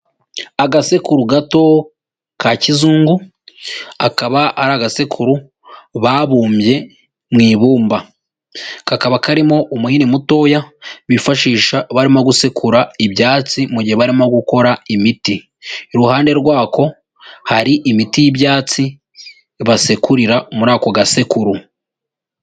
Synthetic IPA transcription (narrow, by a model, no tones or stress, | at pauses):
aɡasekuɾuɡato̞ | kacizuːŋɡu | akaβaaɾaɡasekʰuɾu | βaβuːmbje̞ | mŋiːβuːmba | kakaβakaɾimo̞ʔumuhinimuto̞ːjaβifaʃiːʃaβaɾimoɡuse̞kʰuɾaibjaːt͡simuɟiheβaɾimoɡuko̞ɾaimiti | ɾuhaːnde̞ɾɡwaːko̞ | haɾiʔimitijibjaːt͡si | βasekuɾiɾamuɾaːko̞ɡase̞kuɾu